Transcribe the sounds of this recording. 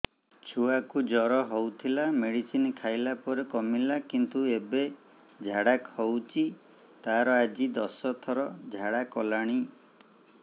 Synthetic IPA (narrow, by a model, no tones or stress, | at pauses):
t͡ʃʰuakud͡ʒɔɾɔɦowt̪ʰilameɽisinkʰajlapɔɾekɔmilakint̪uebe | d͡ʒʱaɽakhowt͡ʃʰi | t̪aɾɔad͡ʒid̪ɔsɔt̪ʰɔɾɔd͡ʒʱaɽakɔlaɽ̃i